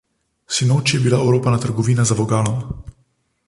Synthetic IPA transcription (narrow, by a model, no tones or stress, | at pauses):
sinoːt͡ʃjɛbilaɛwɾoːpanat̪əɾɡɔʋiːnazaʋɔɡaːlɔm